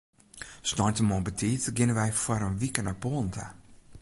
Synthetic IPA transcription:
snɔtəmɔbətʰiːtɡɪnəʋɛjfwaɾənʋikənɔpoːntʰə̰

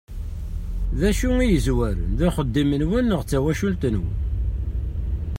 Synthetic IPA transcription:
ðæʃuŋijəzwæɾə̰nðuχəd̪ːimənwənːəʁt͡sːæwæʃult̪ənwə̰n

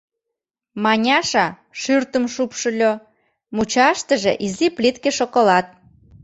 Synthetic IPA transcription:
mɑnʲɑʃɑ | ʃyrt̪ə̆mʃupʃə̆lʲo | mut͡ɕɑʃt̪əʒeʔiziplit̪keʃokolɑt̪̚

